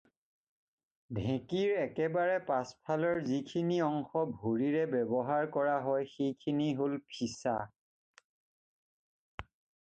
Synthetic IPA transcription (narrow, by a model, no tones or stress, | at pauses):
dʱɛ̃kiɹɛkɛbaɹɛpaspʰalɔɹzikʰiniɔŋxɔbʱoɹiɹɛbɛbɔɦaɹkɔɹaɦɔjxejkʰiniɦolpʰisa̰